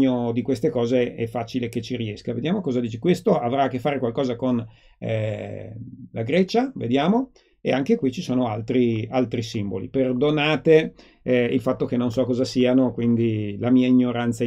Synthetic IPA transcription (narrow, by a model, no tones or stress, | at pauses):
od̪ikwest̪ekɔːzeɛ̰fːat͡ʃileket͡ʃːiɾiɛskaved̪jaːmokɔːzad̪iːt͡ʃe̥kwest̪oʔavɾaːkːefːaːɾekwalkɔːzakon̰ | laɡɾɛt͡ʃavḛd̪jaːmo | ḛaŋkekwit͡ʃisoːnoalt̪ɾialt̪ɾisimbo̰lḭperd̪onaːt̪e | ilfat̪ːok̟enːonsɔkːɔːzasiːanokwind̪ilamiːaiɲːoɾant̪sa